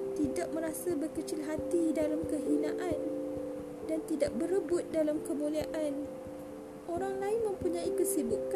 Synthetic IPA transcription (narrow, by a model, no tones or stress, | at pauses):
t̪idaʔ̚mə̃ɾasabərkət͡ʃɪlɦat̪idalamkəɦinãʔan | dant̪idaʔ̚bəɾəbʊt̪̚dalamkəmũliaʔan | ʔoɾaŋlaɪnmə̃mpuɲãikəsibuk